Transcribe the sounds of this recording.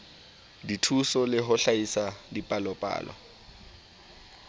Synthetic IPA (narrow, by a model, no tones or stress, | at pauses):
ditʰusɔlɪɦʊɬaisadipʼalɔpʼa̰ːlwa̰